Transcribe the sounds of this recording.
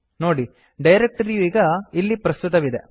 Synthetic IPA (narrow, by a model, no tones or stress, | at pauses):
noːɽi | ɖɐjɾek̚ʈɐɾijuiːɡɐilːipɾɐst̪ut̪ɐʋid̪e̞